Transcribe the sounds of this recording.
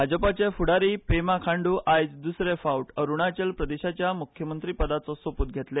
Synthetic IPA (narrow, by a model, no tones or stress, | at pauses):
bʱad͡zəpat͡ɕefuɽaɾiːpemakʰãɳɖuːʔajt͡sd̪usɾefauʈəɾuɳ̃at͡ɕelpɾəd̪eɕat͡ɕjamukʰjəmənt̪ɾiːpəd̪at͡sɔsoput̪̚ɡʱet̪le